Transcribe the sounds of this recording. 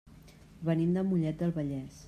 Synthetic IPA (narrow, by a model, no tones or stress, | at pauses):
βənind̪əmuʎɛt̪̚d̪əlˠβəʎɛs